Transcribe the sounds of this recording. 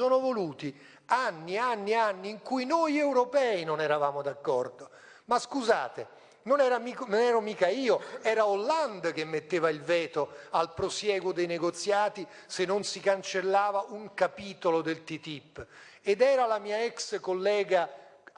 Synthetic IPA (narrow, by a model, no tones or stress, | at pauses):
ɔːnovoluːt̪i | anːianːianːiːŋkujnojɛwɾopɛːinonɛɾavaːmod̪akːɔrd̪o | maskuza̰ːt̪e | nonɛːɾamiknonɛːɾomiːkaiːoɛːɾaolːand̪k̟emːet̪ːeːvailvɛːt̪oalpɾosjɛːɡʊd̪ejneɡot̪sjaːt̪i | senːonsikant͡ʃelːaːvaʔuŋkapiːt̪olod̪elt̪it̪ipː | ed̪ɛːɾalamiːaɛkskolːɛːɡa